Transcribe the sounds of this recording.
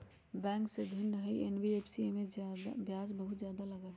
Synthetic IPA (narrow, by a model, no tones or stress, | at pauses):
bɛ̃ːŋksed̪ʱinːəɦəiʔenbiepʰsiemẽd͡ʒad̪abjaːd͡ʒbəɦʊt̪zjaːd̪aləɡaɦɛ